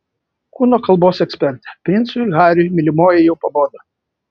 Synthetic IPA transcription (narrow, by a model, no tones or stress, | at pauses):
kuːnoːkɐlˠboːsɛksʲpʲɛɾʲt̪ʲɛ̥pʲɾʲɪnt̪sʊɣɑːɾʲʊjmʲɪlʲɪmoːjɛjɛʊpɐboːd̪ɐ